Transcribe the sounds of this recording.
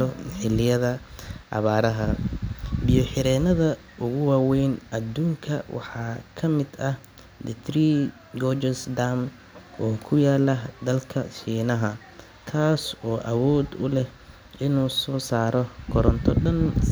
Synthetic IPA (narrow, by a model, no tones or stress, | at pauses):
ɔħɪlɪjɐðɐʔɑ̰βaːɾɐɦɐ | bɪjɔħɪɾɛːnɐðɐ | ʔʊɣʊwaːwɛjnʔɐd̪uːŋkʰɐwʔɑ̰ħɑːkʰɐmɪd̪ɐh | d̪ɪt̪ʰɾi | ɡɔd͡ʒɐsd̪am | ʔɔːkʰʊjaːlɐd̪ɐlkʰɐʃiːnɐɦɐ | k̪ʰaːsɔːʔɐwɔːd̪ʊlɛh | ɪnuːsɔːsaːɾɔkʰɔɾɔnt̪ʰɔɗɐn